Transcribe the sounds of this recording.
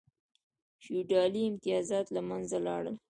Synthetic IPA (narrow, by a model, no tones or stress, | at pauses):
ʃuɖɑliɪmt̪ɪjɑzɑt̪lamanzalɑ̰ɽəl